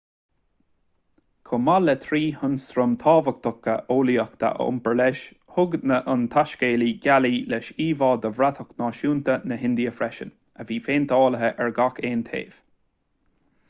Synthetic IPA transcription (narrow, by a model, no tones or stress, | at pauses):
kʰʊmalɛt̪ʰɾiːhʊnst̪ɾʊmt̪ʰɑːvək̚t̪ʰʊkːəʔoːliəxt̪ʰa̰ʔə̰ʊ̰mpəɹlɛʃ | hʊɡnəʔʊnt̪ʰaʃkeːliɡʲalilɛʃiːvɑːd̪əvɾat̪ʰəknɑːʃuːnt̪ənəɦɪnd̪iəfɾɛʃə̰n | əviːfeːnt̪əɑːləɦəʔɛɹɡakeːnt̪ʰḛːv̥